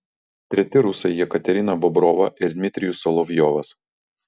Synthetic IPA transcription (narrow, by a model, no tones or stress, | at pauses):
t̪ʲɾʲɛt̪ʲɪɾʊsɐjiɛkɐt̪ʲɛɾʲɪnɐbɔbɾɔːʋɐʔɪɾd̪ʲmʲɪt̪ʲɾʲɪjʊsɔlˠɔʋʲjɔːʋɐs